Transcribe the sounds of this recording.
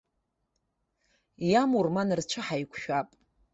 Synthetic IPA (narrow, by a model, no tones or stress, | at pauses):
jamurmanɨrt͡ʃʷʰɨħajkʷʰʃᶣapʼ